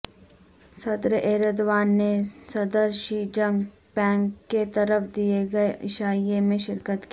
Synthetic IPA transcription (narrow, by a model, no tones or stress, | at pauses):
sɐd̪ɾəʔeːɾəd̪ʋaːnːesɐd̪əɾʃid͡ʒə̃ŋɡ | pɛ̃ːŋkːet̪ɐɾəfʰd̪ijeɡɐeʔɪʃaːijemẽʃɪɾkət̪kiː